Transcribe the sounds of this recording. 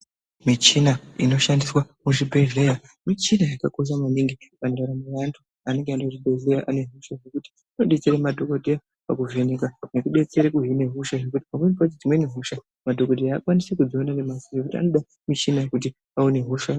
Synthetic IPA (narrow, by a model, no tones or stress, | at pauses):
mit͡ʃinaino̞ʃandiswamuʐibʱe̞ɮeja | mit͡ʃinajakako̞ʃ̬amaniŋɡipandaɾamuwantʰu | ane̞ŋɡeandaʐibʱe̞ɮejaʔane̞ɦuʃaʐekuti̥ | ano̞ɗe̞t͡se̞ɾemadʱo̞ko̞dʱeja | pakuʐenekanokuɗe̞t͡se̞ɾekuɦine̞ɦuʃaʐe̞kuti̥pamempatid͡zimweneɦuʃa | madʱo̞ko̞dʱeaːkwanisekud͡zoonanemasiʐekutia̰no̞ɗa | mit͡ʃinakut̬i | aune̞ɦuʃa